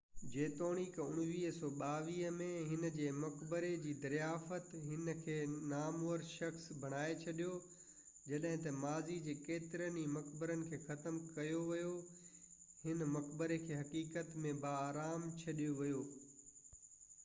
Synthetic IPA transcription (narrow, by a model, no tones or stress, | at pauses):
d͡ʑeːt̪oːɽ̃ikʊɽ̃ʋiːɦsɔːɓaːʋiːɦəmẽɦɪnd͡ʑeːmɐkbəɾed͡ʑiːd̪ɐɾɪjaːfət̪ɦɪnəkʰeːnaːmʊəɾʃɐxsbʱɐɽ̃aːet͡ɕʰɐɗijo | d͡ʑɐɗɦɪ̃t̪ɐmaːzid͡ʑeːkeːt̪ɪɾənimɐkbəɾənɪ̆kʰeːxɐt̪əmkɐjoʋɐjo | hɪnmɐkbəɾekʰeːɦɐkiːkət̪mẽbaaːɾaːmt͡ɕʰɐɗijoʋɐjoː